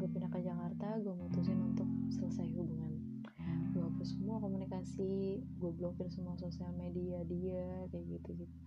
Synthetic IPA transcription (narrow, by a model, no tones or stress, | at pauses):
ɡupinakad͡ʒakart̪aɡuamuut̪usɪnunt̪ʊk̚sələsajɦubuŋan | ɡuapərsəmuakomunikasiɡuablokɪrsəmuasosialmediadiakajaʔɡit̪uɡi